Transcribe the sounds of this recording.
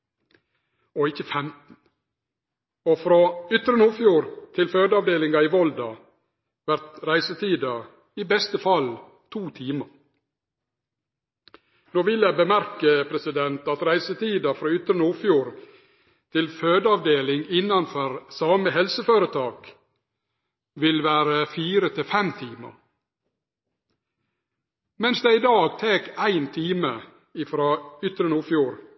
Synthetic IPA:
ɔɪçəfɛmt̪n̩ | ɔfɾoːʏt̪ɾənuːfjuːɾt̪ʰɪlføːd̪əɑʋd̪eːlɪŋɑɪʋɔld̪ɑ | ʋæɾt̪ɾæɪsət̪ʰiːd̪ɑ | iːbɛst̪əfɑl | t̪ʰuːt̪ʰiːməɾ | noːʋɪljæɪbəmæɾkəpʰɾɛsɪd̪ɛnt̪ɑt̪ɾæɪsət̪ʰiːd̪ɑfɾoːʏt̪ɾənəuːfjuːɾ | t̪ʰɪlføːd̪əɑʋd̪eːlɪŋɪnɑnfɔɾsɑːməhɛlsəføːɾət̪ʰɑːk | ʋɪlʋæːɾəfiːɾət̪ʰɪfɛmt̪ʰiːmə̰ɾ | mɛnsd̪eɪd̪ɑːɡt̪ʰeːkæɪnt̪ʰiːmə | ɪfɾɑːʏt̪ɾənuːfjuːɾ

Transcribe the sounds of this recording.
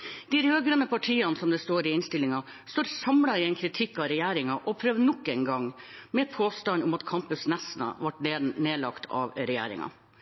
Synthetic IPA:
d̪̥ɪɾøːɡɾɛnəpʰɑʈʰiːɑnsɔmd̪ɛst̪oːɾɪɪnst̪ɪlːɪŋɑ | st̪oːɾsɑmɽɑɪɛɪnkʰɾɪt̪ʰɪkːɑɾɛjæːɾɪŋɑʔɔpʰɾøːʋnɔkːɛɪnɡɑŋ | mɛpʰoːst̪ɑnʊmɑt̪kʰɑmpʉsnɛsnə̰ʋɑʈneːlɑkt̪ʰɑ̰ʋɾɛjæ̰ːɾɪ̰ŋɑ̰

